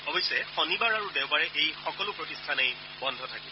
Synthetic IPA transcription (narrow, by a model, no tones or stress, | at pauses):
ɔbɔjsɛxɔnibaɹaɹudɛʊbaɹɛʔejxɔkɔlʊpɹɔtistʰanej | bɔndʱɔtʰakib